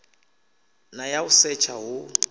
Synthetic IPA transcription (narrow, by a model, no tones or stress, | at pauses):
najausɛt͡ʃʰaɦʊ